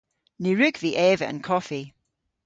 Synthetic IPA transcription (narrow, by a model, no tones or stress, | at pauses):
niɹʉɡ̥viʔɛvə̰ʔə̰̃nkʰɔfi